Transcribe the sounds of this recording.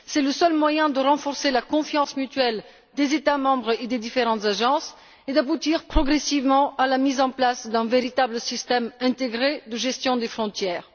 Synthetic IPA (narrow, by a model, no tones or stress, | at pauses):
sɛləsœlmwajɛ̃d̪əʁɑ̃fɔʁselakɔ̃fjɑ̃smyt̪ɥɛl | d̪ezet̪amɑ̃bʁed̪ed̪ifeʁɑ̃t̪zaʒɑ̃s | ed̪abut̪iʁpχɔɡʁesivmɑ̃alamizɑ̃plasd̪ɛ̃veʁit̪abləsist̪ɛmɛ̃t̪eɡʁed̪əʒɛst̪jɔ̃d̪efχɔ̃t̪jɛːʁ